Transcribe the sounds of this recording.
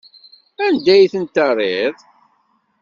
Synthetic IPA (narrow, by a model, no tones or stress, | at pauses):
ænd̪æjθənt̪ərˤeðˤ